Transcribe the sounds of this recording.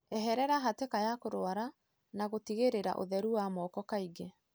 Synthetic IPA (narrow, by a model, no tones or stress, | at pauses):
ɛɦɛɾɛɾaɦatekajakoɾoaɾa | naɣotiɣeɾeɾa̰ʔo̰ðɛɾuwamɔːkɔkaiɡe